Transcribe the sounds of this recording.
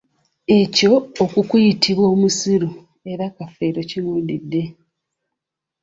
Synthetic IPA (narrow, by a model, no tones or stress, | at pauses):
e̞co̞ːkukujitʰiβwo̞ːmusiɾu | e̞ɾakafeːɾo̞ciluːdidːe̞